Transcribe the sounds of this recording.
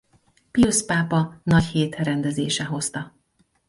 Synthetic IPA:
piospaːpɒnɒcheːt̪ɾɛnd̪ɛzḛːʃɛɦo̞st̪ɒ

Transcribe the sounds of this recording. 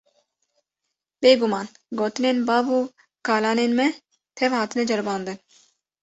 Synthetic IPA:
beːɡumɑːn | ɡoːt̪ɨneːnbɑːvuː | kɑːlɑːneːnmɛ | t̪ʰɛvhɑːt̪ɨnɛd͡ʒɐɾbɑːnd̪ɨn

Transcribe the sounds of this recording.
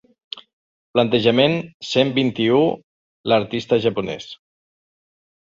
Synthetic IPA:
plənt̪əʒəmensembint̪iu | ləɾt̪ist̪əʒapunɛ̰s

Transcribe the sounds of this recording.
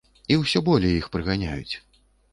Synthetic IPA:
iwsʲɔbɔlʲɛjixpɾɨɣanʲajṵt͡sʲ

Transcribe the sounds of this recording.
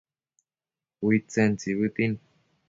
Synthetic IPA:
wit͡sent͡siβɨt̪in

